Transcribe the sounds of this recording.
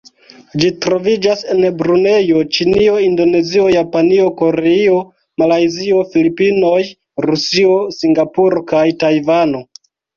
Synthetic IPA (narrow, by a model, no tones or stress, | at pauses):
d͡ʒitɾo̞vid͡ʒase̞nbɾune̞jo̞t͡ʃinio̞indo̞ne̞zio̞japanio̞ko̞ɾeio̞ | malajzio̞filipino̞j | ɾusio̞siŋɡapuɾo̞kajtajvano̞